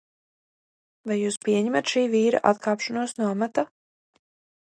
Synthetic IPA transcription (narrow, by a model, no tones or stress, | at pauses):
vajjuːspʲiɛɲɛmat̪ʃiːviːɾa̰ʔa̰t̪kʰaːpʃɔnuɔsnuɔmat̪a